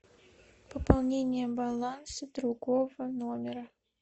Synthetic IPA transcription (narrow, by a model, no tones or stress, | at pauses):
pəpɐlˠnʲenʲɪjəbɐlˠansəd̪ɾuɡovənomʲɪɾə